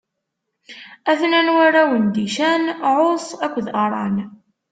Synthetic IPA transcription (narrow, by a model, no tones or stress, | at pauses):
æθnænwaɾæwənd̪iʃænʕosˤækʷːðɑɾˤɑ̰n